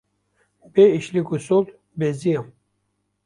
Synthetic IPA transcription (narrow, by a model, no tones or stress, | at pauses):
beiʃlikusolt̪ | beziam